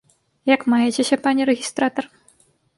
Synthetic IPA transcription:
jakmajet͡ɕʲeɕʲɐpanʲirʲeɣʲist̪rat̪or

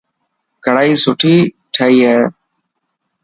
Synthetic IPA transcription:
kəɽaːiːsʊʈʰiː | ʈʰəːiːɦɛː

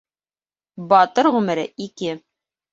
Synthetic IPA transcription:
bɑt̪ɤɾʁʉmɘ̆ɾɘʔikɘ

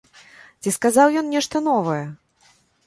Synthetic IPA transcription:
t͡sʲiskazawjɔnnʲɛʂt̪ɐn̪ɔvɐjɛ

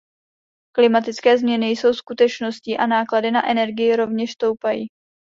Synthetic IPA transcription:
klɪmat̪ɪt͡skɛːzmɲɛnɪjso̞wskut̪ɛt͡ʃno̞sciːʔanaːkladɪnaʔɛnɛɾɡɪjɪɾo̞vɲɛʃst̪o̞wpajḭː

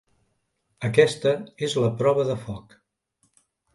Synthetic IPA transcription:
əkɛst̪əezləpɾɔβəðəfɔk

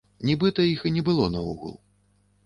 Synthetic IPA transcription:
nʲibɨt̪ɐixinʲɛbɨlˠɔnɐṵɣṵlˠ

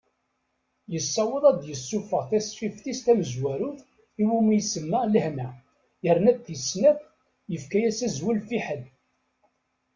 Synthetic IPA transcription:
jəsːɑwəðˤɑd̪jəsːufəʁθæsfifθist̪æməzwæɾuθ | iwumijsəmːələhnæ | jəɾnæd̪θjəsːnæθ | jəfkæjæsæzwəlfiħəl

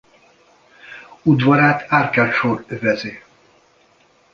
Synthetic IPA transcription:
ud̪vɒɾaːt̪ʰaːrkaʃorøvɛzeː

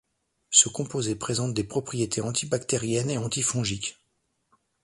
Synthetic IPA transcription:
səkɔ̃pozepχezɑ̃t̪̚d̪epχɔpχijet̪ʰeɑ̃t̪ʰibakt̪eʁjɛneɑ̃t̪ifɔ̃ʒikʲ

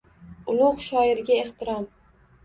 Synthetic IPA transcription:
ʊlˠʊqʃɒɪɾɡʲae̞ht̪ʰɪɾɒm

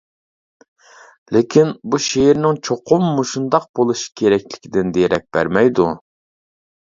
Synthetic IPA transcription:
lɪkʲʰinbuʃejiɾnɪŋt͡ʃʰoqʰʊmːuʃund̪ɑq̚bolˠuʃi̥kʲʰeɾɛkʲlɪkʲʰid̪ɪnd̪ejɾɛk̚ʲb̥æ̰ɾmɛjd̪u

